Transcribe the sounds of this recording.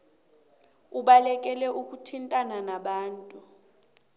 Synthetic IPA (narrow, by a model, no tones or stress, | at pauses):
uɓalɛk̬ʼɛlɛʔuk̬ʼutʰintʼananaɓaːntʼu